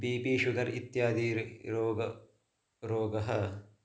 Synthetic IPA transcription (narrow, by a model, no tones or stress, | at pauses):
biːpiːʃuɡɐɾit̪jaːd̪iːɾɾoːɡɐ | ɾoːɡɐɦɐ